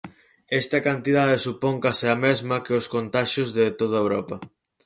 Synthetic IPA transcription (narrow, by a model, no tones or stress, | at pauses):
ɛst̪ɐkant̪iðaðesupoŋkaseɐmezmɐkɪʊskont̪aʃozðɪt̪oð̞ɐewɾɔpɐ